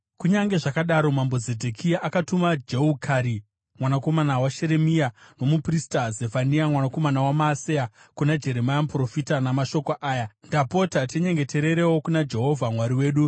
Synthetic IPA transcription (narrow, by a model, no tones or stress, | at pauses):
kuɲaŋɡe̞ʐakaɗaɾo̞mambo̞zedʱekʰijaʔakatumad͡ʒeukʰaɾi | mwanako̞manawaʃe̞ɾe̞miano̞mupristazefaniamwanako̞manawamaːseakunad͡ʒe̞ɾemajamupro̞fitanamaʃo̞koʔaːjandapo̞tateɲe̞ŋɡe̞te̞ɾe̞ɾewo̞kunad͡ʒe̞ɦo̞vʱamwaɾiwe̞ːɗu